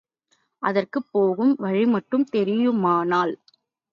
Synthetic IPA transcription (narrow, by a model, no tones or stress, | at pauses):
ʔɐðɐrkɯpːoːɣɯmʋɐɻɪmɐʈːɯmt̪ɛɾɪjɯmaːnaːl